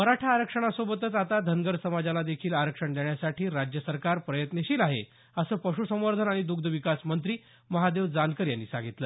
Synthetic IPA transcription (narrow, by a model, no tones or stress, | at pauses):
məɾaʈʰaːɾəkʂəɽ̃asobət̪ət͡sat̪ad̪ʱənɡəɾsəmad͡ʑalad̪ekʰiːlaɾəkʂəɳd̪eɳjasaʈiːɾad͡ʑjəsəɾkaɾpɾəjət̪neɕiːlaɦḛ | əsəːpəɕusəməɾd̪ʱənaɽ̃id̪uɡd̪ʱəʋikasmənt̪ɾiː | məɦad̪eʋd͡zankəɾjanːḭːsãŋɡit̪ləː